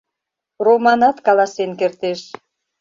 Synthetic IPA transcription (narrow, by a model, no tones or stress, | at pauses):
romɑnɑt̪kɑlɑsenkert̪eʃ